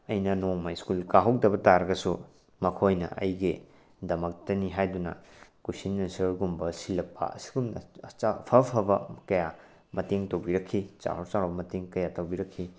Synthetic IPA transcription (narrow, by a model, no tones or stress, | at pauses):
ɐjnɐnoŋmajskulkaɦɐwk̚dɐbɐtaɾɐɡɐsu | mɐkʰojnɐ̰ʔɐ̰jɡe | dɐmɐk̚tɐniɦajdunɐ̰ | kusinmɐnsɯɾɡumbɐsilɐk̚pːɐ̰ɐ̰si̥ɡum̰t͡ʃapʰɐpʰɐbɐkɐja | mɐteŋtowbiɾɐkʰːit͡ʃa̰hoɾt͡ʃaɾɐbɐmɐteŋkɐjatɐwbiɾɐkʰːi